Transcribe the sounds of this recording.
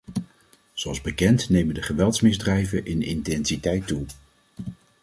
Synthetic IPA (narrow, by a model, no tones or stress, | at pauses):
z̥oɑlˠzbəkɛntnejməndəχəʋɛlˠtsmɪzdrɛjvənʔɪnɪ̰ntɛnsitɛjtːu